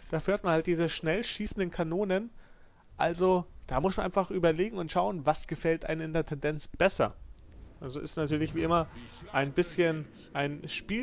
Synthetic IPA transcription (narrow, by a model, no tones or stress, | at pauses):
d̥aːfyːɐt̚manhalt̚d̥iːzəʃnɛlʃiːsn̩dənkʰanoːnən | ʔalzod̥aːmʊsmanʔaɪnfaχʔyːbɐleːɡŋ̩ʊntʃaʊənvasɡ̥əfɛltʔa̰ɪnɪndeɐtʰɛndɛnt͡sb̥ɛsɐ̰ | ʔalzoʔɪ̰stnatʰyːɐlɪçv̥iːʔɪmɐʔaɪnbɪsçən | ʔaɪnʃpiː